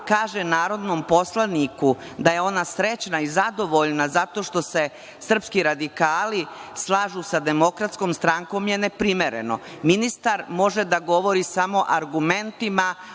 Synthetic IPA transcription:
kaːʒenaːɾo̞d̪nompo̞slˠanikud̪aje̞o̞nasɾet͡ɕnaizad̪o̞ʋo̞ʎnazat̪o̞ʂt̪o̞se̞ | sr̩pskiɾad̪ikaːlislˠaːʒusad̪e̞mo̞kɾat̪skomst̪ɾaŋko̞mje̞nepɾimeɾḛno̞̰minist̪aɾmo̞ʒed̪aɡo̞ʋo̞ɾisamo̞ʔaɾɡume̞nt̪ima

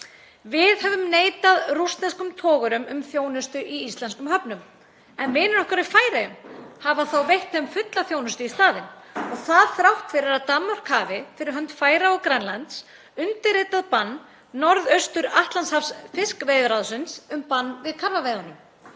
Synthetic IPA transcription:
vɪðhɛvʏmneːjt̪aðrust̪lɛnskʏmt̪ʰɔːɣʏɾʏmʏmθjoːwnʏst̪ʏʔiist̪lɛnskʏmhœpnʏm | ɛnmɪːnʏnɔhkaɾifaːjɾajʏmhavaθawvejht̪ɛmfʏt̪laθjoːwnʏst̪ʏist̪aːðɪnɔɣθaðθɾawht̪fɪɾɪɾat̪aːmːœr̥kʰhaːvɪfɪɾɪɾɦœnt̪faːjɾaɔɣkɾanlant̪s | ʏnt̪ɪɾrɪːt̪aðpanː | ɔɾðœɥst̪ʏɾaht̪lanshafsfɪskvejðɾaðsɪnsʏmpanːvɪðkʰaɾvaveːjðanʏm

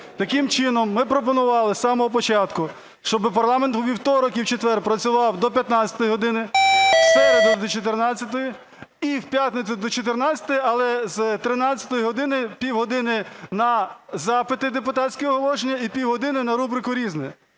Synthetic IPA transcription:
t̪ɐkɪmt͡ʃɪnɔmːɪpɾɔpɔnʊʋɑlˠɪsɑmɔɦɔpɔt͡ʃɑt̪kʊ | ʃt͡ʃɔbɪpɐrlˠɑment̪ʋʲiwt̪ɔɾɔkiwt͡ʃet̪ʋɛrpɾɐt͡sʲʊʋɑwd̪ɔp̬ʲjɐt̪nɑt͡sʲɐ̥t̪ɔjiɦɔd̪ɪnɪsɛɾed̪ʊd̪ɔt͡ʃɔt̪̬ernɑt͡sʲːɐt̪̬ɔji | iwpʲjat̪net͡sʲʊd̪ɔt͡ʃɔt̪ernɑt͡sʲɐ̥t̪ɔjiɐlˠɛzt̪ɾɪnɑt͡sʲɐ̥t̪ɔjiɦɔd̪ɪnɪpʲiwɦɔd̪ɪnɪnɐzɑpɪt̪ɪd̪epʊt̪ɑtsʲkɛɔɦɔlˠɔʒenʲːɐipʲiwɦɔd̪ɪnɪnɐɾubɾɪkʊɾʲiznɛ

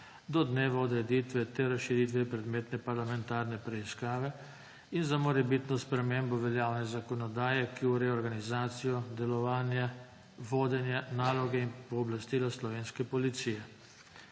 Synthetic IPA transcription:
d̪ɔd̪neːʋaɔd̪ɾɛd̪it̪ʋɛt̪ɛɾasʃiɾiːt̪̬ʋɛpɾɛd̪meːt̪nɛpaɾlamɛnt̪aːɾnɛpɾɛiskaːʋɛ | inzamɔɾɛbit̪nɔspɾɛmeːmbɔʋɛljaːwnɛzakɔnɔd̪aːjɛkiuɾɛɔɾɡanizaːt̪sijɔd̪ɛlɔʋaːnja | ʋoːd̪ɛnjanaːlɔɡɛinpɔːblast̪ilaslɔʋeːnskɛpɔlit̪siːjɛ

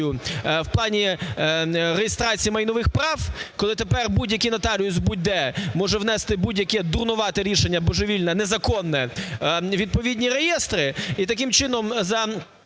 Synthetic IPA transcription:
jʊwplˠɑnʲi | rejest̪ɾɑt͡sʲijimɐjnɔʋɪxpɾɑwkɔlˠɪt̪epɛrbudʲjɐkʲinɐt̪ɑlʲijʊzbʊd̪ɛmɔʒɛwn̪ɛst̪ɪbudʲjɐkɛd̪ʊrnʊʋɑt̪ɪɾʲiʃenʲːɐbɔʒeʋʲilʲnɐnezɐkɔnːɛ | ʋʲid̪̚pɔʋʲidʲnʲiɾejɛst̪ɾɪit̪ɐkɪmt͡ʃɪnɔmzɐ

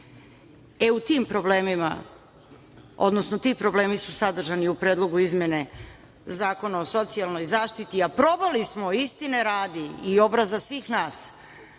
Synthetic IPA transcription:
e̞ut̪iːmpɾobleːmima̰ | o̰d̪no̞snot̪iːpɾo̞ble̞ːmisusad̪r̩ʒaniupɾeːd̪lˠo̞ɡuizmje̞ne̞ | zaːko̞naoso̞t̪sialˠno̞jzaːʃt̪it̪iapɾo̞balismoist̪ine̞ɾaːd̪iːo̞bɾazasʋiːxnaːs

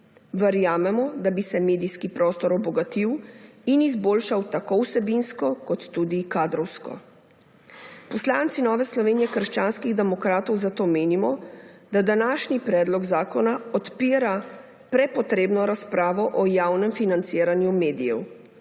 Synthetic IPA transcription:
ʋəɾjaːmɛmɔd̪abisɛmeːd̪ijskipɾɔːst̪ɔɾɔbɔɡat̪iwinizboːlʃawt̪akowsɛbinskɔkɔt̪ːud̪ikaːd̪ɾɔwskɔ̰ | pɔslaːnt̪sinɔːʋɛslɔʋeːnijɛkəɾʃt͡ʃaːnskiɣd̪ɛmɔkɾaːt̪ɔwzat̪oːmeːnimɔd̪̥ad̪anaːʃnipɾɛːd̪lɔɡzaːkɔnaɔt̪piːɾa | pɾɛpɔt̪ɾeːbnɔɾaspɾaːʋɔʔɔjaːwnɛmfinant̪siːɾanjumeːd̪ijɛw

